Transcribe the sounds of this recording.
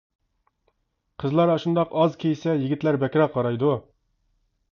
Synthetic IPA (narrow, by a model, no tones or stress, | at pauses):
qʰəzlˠɑɾɑʃund̪ɑqɑzkʲʰejsɛjiɡʲit̪læɾbɛkʲɾɑqʰɑɾɑjd̪u